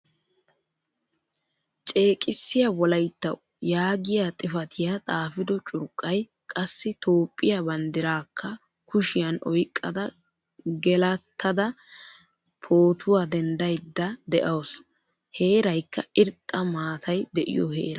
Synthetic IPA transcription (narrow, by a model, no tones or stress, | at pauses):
t͡ʃʼe̞ːkʼɪsːɪjawɔlɐjt̪ːɐw | jaːɡɪjat̪ʼɪfɐt̪ʰɪjat̪ʼaːfɪd̪ɔt͡ʃʼʊɾkʼːɐj | kʼɐsːɪt̪o̞ːpʼːɪjabɐnd̪ɪɾaːkːɐ | kʊʃɪjɐnʔɔjkʼːɐd̪ɐ | ɡɛlɐt̪ʰːɐd̪ɐ | pʰoːt̪ʰʊwaːd̪ɛnd̪ɐjd̪ːɐd̪ɛʔɐws | he̞ːɾɐjkːɐɪɾt̪ʼːɐmaːt̪ʰɐjd̪ɛʔɪ̰jɔ̰hḛːɾɐ